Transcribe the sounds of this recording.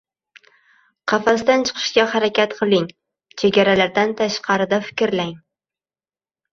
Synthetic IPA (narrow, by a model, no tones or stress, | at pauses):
qʰɑfasd̪ant͡ʃʰɨ̥qʰɨ̥ʃkʲahaɾakʲat̪qʰɨlˠɪŋ | t͡ʃʰeɡʲaɾalaɾd̪ant̪ʰaʃqɑɾɪd̪afɪ̥kʲɾlaŋ